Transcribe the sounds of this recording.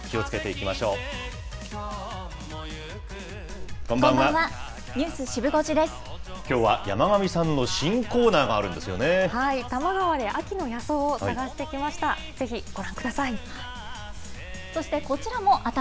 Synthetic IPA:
kʲio̞t͡sɨ̥ke̞t̪e̞ikʲimaɕo̞ː | ɡ̥omɡããβa | ɲʲɯːsɨɕibɯ̟ɡo̞t͡ɕid̪e̞sɨ̥ | kʲo̞ːβaja̰maɡamʲisãnːo̞ɕĩŋko̞ːnaːɡaːɾɯ̟̃nd̪e̞sɨjo̞̰nehait̪amaɡaβad̪e̞ʔakʲino̞jaso̞ːsaɡaɕi̥t̪e̞ikʲimaɕi̥t̪a | z̥e̞çiɡ̥o̞ɾãŋkɯ̟d̪asai | so̞ɕi̥t̪e̞ko̞t͡ɕiɾamo̞ʔat̪a

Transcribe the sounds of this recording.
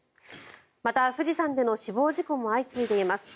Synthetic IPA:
mat̪aɸɯ̟ʑisãnd̪e̞no̞ɕibo̞ːʑiko̞mo̞ait͡sɨid̪e̞imasɨ̥

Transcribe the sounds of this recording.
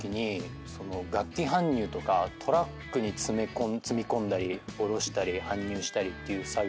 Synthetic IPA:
kʲiɲ̟i | so̞no̞ɡakʲːiɦãɲ̟ːɨːt̪o̞kat̪ʰo̞ɾakːɯ̟ɲ̟it͡sɨmekõnt͡sɨmʲikõ̞nd̪aɾʲio̞ɾo̞ɕi̥t̪aɾʲihãɲ̟ːɨːɕi̥t̪aɾʲit̪ːe̞jɯ̟ːsa

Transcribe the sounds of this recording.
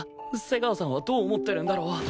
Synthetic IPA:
se̞ɡaosãɰ̃βad̪oːmot̪ːe̞ɾɯ̟nd̪aɾoːa

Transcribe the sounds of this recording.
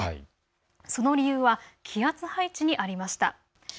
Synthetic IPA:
so̞no̞ɾʲijɯ̟ːβakʲʰiat͡sɨhait͡ɕiɲ̟iʔaɾʲimaɕi̥t̪a̰

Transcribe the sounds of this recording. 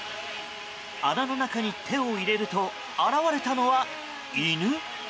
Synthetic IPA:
anano̞nakaɲ̟it̪ʰe̞oiɾe̞ɾɯ̟t̪o̞ | aɾaβaɾe̞t̪ano̞βa | inɯ̟

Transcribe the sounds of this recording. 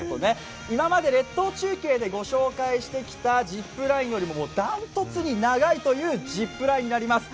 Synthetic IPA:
t̪o̰ne̞ | imamad̪e̞ɾe̞t̪ːo̞ːt͡ɕɨːkʲe̞ːd̪e̞ɡo̞ɕo̞ːkaiɕi̥t̪e̞kʲi̥t̪ad͡ʑipːɯ̟ɾaĩjo̞ɾʲimo̞moːd̪ãnt̪o̞t͡sɨɲ̟inaɡait̪o̞jɯ̟ːd͡ʑipːɯ̟ɾaĩɲ̟ːinaɾʲimasɨ̥

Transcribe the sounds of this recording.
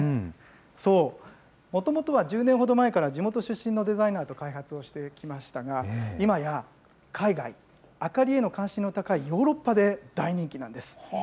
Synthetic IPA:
so̞ː | mo̞t̪o̞mo̞t̪o̞βad͡ʑɨːneɰ̃ɦo̞d̪o̞mae̞kaɾad͡ʑimo̞t̪o̞ɕɨɕːĩnːo̞d̪e̞zainaːt̪o̞kaiɦat͡sɨo̞ɕi̥t̪e̞kʲimaɕi̥t̪aɡaimaja | kʰaiɡai | akaɾʲie̞no̞kãɰ̃ɕĩnːo̞t̪akaijo̞ːɾo̞pːad̪e̞d̪̥aiɲ̟ĩŋkʲinãnd̪e̞sɨ̥

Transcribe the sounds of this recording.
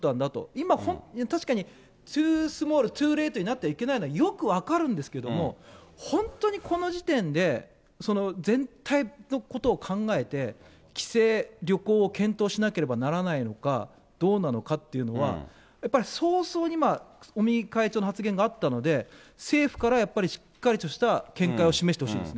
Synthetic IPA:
t̪ãnd̪at̪o̞̰imahõ̞nt̪aɕi̥kaɲ̟i | t͡sɨːsɨmo̞ːɾɯ̟t̪ɨːɾe̞ːt̪oɲinat̪ːeaike̞nainoajo̞kɯ̟βakaɾɯ̟̃nd̪e̞sɨ̥keed̪o̞mo̞hõ̞nt̪o̞ɲ̟ikʰo̞no̞ʑit̪ẽ̞nd̪e̞ | so̞no̞d͡zẽ̞nt̪ʰaino̞ko̞t̪o̞ːkʰãŋɡae̞t̪e̞ | kʲi̥se̞ːɾʲo̞ko̞ːkẽ̞nt̪o̞ːɕinake̞ɾe̞banaɾanaino̞ka̰ | d̪̥o̞ːnano̞kat̪ːe̞jɯ̟no̞β̞a̰ | japːaɾʲiso̞ːso̞ːɲ̟imaomʲikaet͡ɕo̞ːnohat͡sɨɡẽ̞ŋɡaːt̪ːano̞d̪e̞se̞ːɸɯ̟̥kaɾajapːaɾʲiɕi̥kːaɾʲit̪o̞ɕi̥t̪akẽ̞ŋkaio̞ɕime̞ɕit̪e̞hoɕiːnesɨne

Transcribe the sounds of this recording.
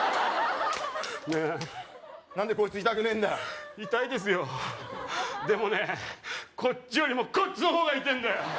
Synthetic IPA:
ne | nãnd̪e̞koːi̥t͡sɨit̪akɯ̟nẽ̞nd̪ajoit̪aid̪e̞s̬ɨjo̞ | d̪e̞mo̞ne̞kʰo̞t͡ɕːijo̞ɾʲimo̞kot͡ɕinoɦo̞ːɡait̪ẽ̞nd̪ajo

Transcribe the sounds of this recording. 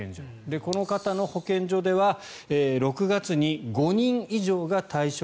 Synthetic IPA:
o | d̪e̞ko̞no̞kat̪ano̞ho̞kẽ̞ɲd͡ʑo̞d̪e̞βa | eːɾo̞kɯ̟ɡat͡sɨɲ̟iɡo̞ɲ̟ĩɰ̃iʑo̞ːɡat̪aiɕo

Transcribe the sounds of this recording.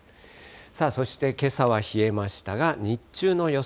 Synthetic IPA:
saːso̞ɕi̥t̪e̞ke̞saβaçie̞maɕi̥t̪aɡaɲ̟it͡ɕɨːno̞jo̞

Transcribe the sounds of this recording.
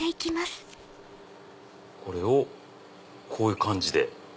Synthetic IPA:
eikʲimasɨ̥ | ko̞ɾe̞o | kʰo̞ːjɯ̟kãɲ̟d͡ʑid̪e̞

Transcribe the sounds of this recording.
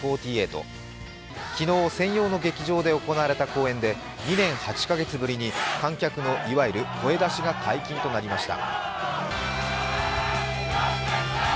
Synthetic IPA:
oːt̪ʲiːe̞ːt̪o̞̰ | kʲino̞ːsẽ̞ɰ̃jo̞ːno̞ɡe̞kʲiʑo̞ːd̪e̞o̞ko̞naaɾe̞t̪ako̞ːẽ̞nd̪e̞ | ɲ̟inẽ̞ɰ̃hat͡ɕi̥kaɡe̞t͡sɨbɯ̟ɾʲiɲ̟ikãŋkʲakɯ̟no̞ʔiβaiɾɯ̟ko̞e̞d̪aɕiɡakʰaikʲĩnt̪o̞naɾʲimaɕi̥t̪a̰

